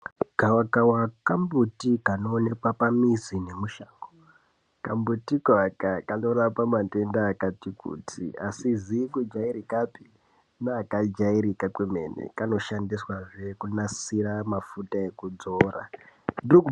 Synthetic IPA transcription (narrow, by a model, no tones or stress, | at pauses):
ɡ̥ʱawakawakambutikanoːne̞kwapamizine̞muʃaːŋɡo | kambutikwakakano̞ɾapamate̞ndaːkatikʰṵtʰḭasizikud͡ʒairikapi | naːkad͡ʒaiɾikakweme̞nḛkano̞ʃandiswaʐe̞kunasiɾamafutae̞kud͡zoːra̰ndiruku